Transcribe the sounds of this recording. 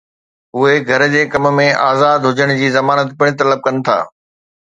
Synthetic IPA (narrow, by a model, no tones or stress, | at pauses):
ʊɦeɡʱɐɾd͡ʑeːkɐmmẽʔa̰ːzaːd̪ɦʊd͡ʑəɽ̃d͡ʑiːzɐmaːnət̪pɪɽ̃ɪt̪ɐləb̚kɐnɪ̆t̪ʰa̰ː